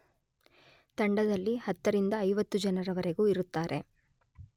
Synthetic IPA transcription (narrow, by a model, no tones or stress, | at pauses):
t̪ɐɳɖɐd̪ɐlːihɐt̪ːɐɾind̪ɐːjʋɐt̪ːud͡ʒɐnɐɾɐʋɐɾe̞ɡuːiɾut̪ːaːɾʔe̞